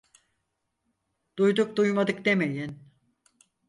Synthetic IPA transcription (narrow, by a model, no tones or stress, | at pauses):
d̪̥ujd̪uk̚d̪ujmad̪ɯk̚d̪emejin